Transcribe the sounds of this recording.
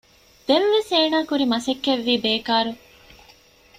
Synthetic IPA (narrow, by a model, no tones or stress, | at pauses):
d̪̥eʋʋeseːnaːkuɾimɐsekːeʋːiːbeːkaːɾu